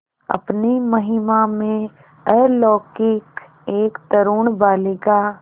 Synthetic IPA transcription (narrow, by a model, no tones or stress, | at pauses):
ɐ̰pnimɐɦɪmamẽ | ɛːɾlɔːkɪk | eːkt̪əɾuːɳbaːleɡa